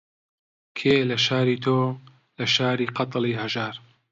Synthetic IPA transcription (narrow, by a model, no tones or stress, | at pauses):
kʰeːlɐʃaːɾiːt̪ʰoː | lɐʃaːɾiːqɑt̪liːhɐʒaːɾ